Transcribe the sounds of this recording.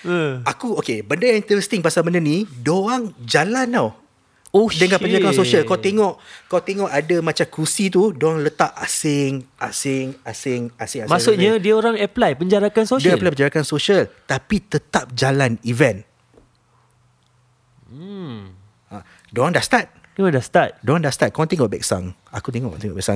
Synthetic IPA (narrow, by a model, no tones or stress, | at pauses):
akuokebəndəjaŋint̪əɾɛst̪ɪŋpasalbənənidoaŋd͡ʒalanaw | odəŋapəɲd͡ʒaɾakansosialkawt̪eŋɔʔkawt̪eŋɔʔadamãt͡ʃamkusit̪̬udoaŋlət̪aʔa̰sɪŋʔasɪŋasɪŋasɪŋasmasʊʔɲə̃diəoɾaŋɛplajpəɲd͡ʒaɾakansodiaɛplajpəɲd͡ʒaɾakansoʃialt̪apit̪ət̪ap̚d͡ʒalanivɛn | a | doaŋdaʔst̪at̪̚ | ɔdast̪at̪̚doɾaŋdaʔst̪at̪̚kaãŋt̪eŋɔʔbɛk̚sa̰ŋ | akut̪eŋɔ̰ʔt̪eŋɔʔbɛksaŋ